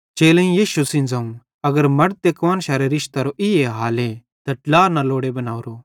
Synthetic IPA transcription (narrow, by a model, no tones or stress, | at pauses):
t͡ʃeːlɐ̃ĩjiːʃusɪ̃nd͡zãːũ | ɐɡəɾmɐɽt̪ekʋaːnʃaːɾeɾɪʃt̪aɾoʔɪjeɦaːle | t̪ɐʈlaːɾnaloːɽebɐnaːuɾoː